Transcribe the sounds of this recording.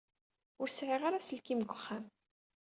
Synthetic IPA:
ʊɾsʕiʁaɾasəlkimɡʷəχːæm

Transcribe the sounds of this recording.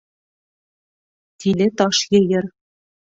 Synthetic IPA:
t̪ilʲɘ̆t̪ɑʃjɤ̆jɤ̆r

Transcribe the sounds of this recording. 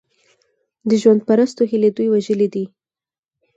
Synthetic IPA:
d̪əʒwand̪̚paɾast̪oɦiled̪ujwaʒəlid̪i

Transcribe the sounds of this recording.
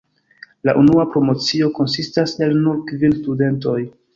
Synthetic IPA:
laʔunuapɾo̞mo̞t͡sio̞ko̞nsistase̞lnuɾkvilstude̞nto̞j

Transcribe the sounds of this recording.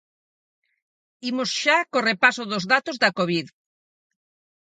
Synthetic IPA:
imosʃakorepasoðozðat̪ozðɐkoβið

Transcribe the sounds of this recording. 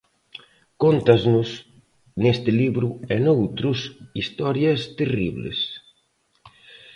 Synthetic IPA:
kont̪aznʊs | nest̪ɪliβɾʊɛnowt̪ɾʊsist̪ɔɾjɐst̪eriβlḛs

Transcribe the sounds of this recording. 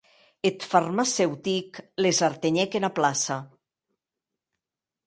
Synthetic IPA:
et̪farmasɛwt̪iklezaɾt̪eɲɛkenaplasa

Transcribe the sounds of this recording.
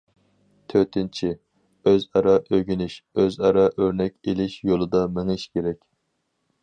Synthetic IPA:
t̪ʰøt̪ʰɪnt͡ʃʰi | øzɑɾɑʔøɡʲynɪʃøzɑɾɑʔøɾnɛkʲelɪʃjolˠɨd̪ɑmɪŋɪʃkʲʰeɾɛkʲ

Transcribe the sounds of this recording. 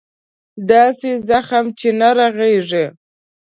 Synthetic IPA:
d̪ɑsezaxamt͡ʃenaɾaɣeʐe

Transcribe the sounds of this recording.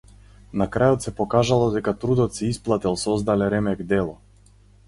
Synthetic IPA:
nakɾajɔt̪sɛpɔkaʒalˠɔd̪ɛkat̪ɾud̪ɔt̪sɛisplˠat̪ɛlˠsɔzd̪alɛɾɛmɛkd̪ɛlˠɔ

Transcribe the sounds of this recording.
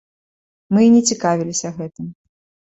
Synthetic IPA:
mɨinʲɛt͡sʲikavʲilʲisʲɐɣɛt̪ɨm

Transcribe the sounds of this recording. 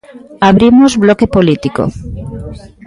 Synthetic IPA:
aβɾimozβlokepolit̪iko̰

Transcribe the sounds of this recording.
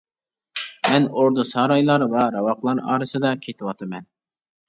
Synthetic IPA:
mɛnoɾd̪usɑɾɑjlˠɑɾwɑɾɑwɑqlˠɑɾɑ̰ːɾɨsɨd̪ɑkʲʰet̪ʰɪwɑt̪ʰɨmɛn

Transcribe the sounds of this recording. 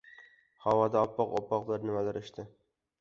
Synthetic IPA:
hɑwɒd̪aɒpːɒqɒpːɒqlˠaɾnɪmalaɾʔʊʃt̪ʰɪ

